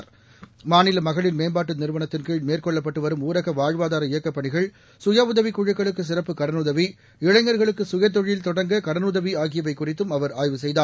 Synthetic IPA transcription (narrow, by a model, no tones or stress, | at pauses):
ɾ | maːnɪlɐmɐɣɐɭɪnmeːmbaːʈːɯnɪɾɯʋɐnɐt̪ːɪnkiːɻɖmeːrkɔɭːɐpːɐʈːɯʋɐɾɯmuːɾɐɣɐʋaːɻʋaːðaːɾɐɪjɐkːɐpːɐɳɪɣɐɭ | sʊjaːʊðɐʋikːʊɻɐkːɐɭɯkːɯs̬ɪrɐpːɯkɐɾɐnʊðɐʋi | ɪɻɐɪŋɡɐɾɣɐɭɯkːɯsʊjɐt̪̬ːɔɻjɪlt̪ɔɽɐŋɡɐkɐɾɐnɯʊðɐʋiaːɣɪjɐʋɐɪkːʊrɪt̪ːɯmɐʋɐɾaːjʋɯsɛjðaːɾ